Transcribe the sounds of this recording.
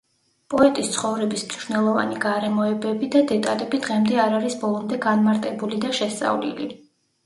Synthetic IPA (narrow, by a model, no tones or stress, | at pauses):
pʼɔɛt̪ʼist̪sʰχɔvɾɛbismiʃnɛlˠɔva̰niɡaɾɛmɔɛbɛbid̪ad̪ɛt̪ʼalɛbid̪ʁɛmd̪ɛaɾaɾisbɔlˠɔmd̪ɛɡanmaɾt̪ʼɛbulid̪aʃɛst̪sʼa̰vlḭli